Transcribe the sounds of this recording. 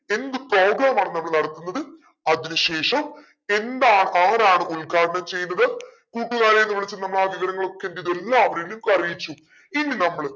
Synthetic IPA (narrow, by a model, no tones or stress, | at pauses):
e̞nd̪ɨpro̞ːɡɾaːmaːɳɨnɐmːɐɭnɐɽɐt̪ːunːɐðɨ | ɐðinɨɕe̞ːʂɐm | e̞nd̪aːɳɨʔaːɾaːɳɨulɡʱaːɾɐɳɐmt͡ɕe̞jːunːɐðɐ | kuːʈːuɣaːɾejenːɨʋiɭit͡ɕːɐlnɐmːɐɭaːʋiʋɐɾɐŋːɐɭo̞kːendiðuelːaɐʋɐɾijilumkɐrijit͡ɕːu | inːinɐmːɐɭ